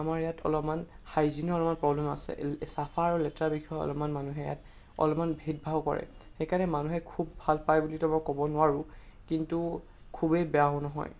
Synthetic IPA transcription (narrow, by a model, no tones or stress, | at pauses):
amaɹɛjatʰɔ̰lɔpman | xajzinɔlɔpmanpɹɔblɛma̰sɛ̰sapʰaːɹulɛtɹabixʰɔjɔ̰lɔpmanmanuɦɛja̰t | ɔ̰lɔpmanbʱit̚bʱawkɔ̰ɹɛ̰xejkanɛmanuɦɛkʰubːʱalpajbulitɔmɔkɔbɔnʊwaɹʊ | kintu | kʰubejbɛaɦʊnɔɦɔ̰j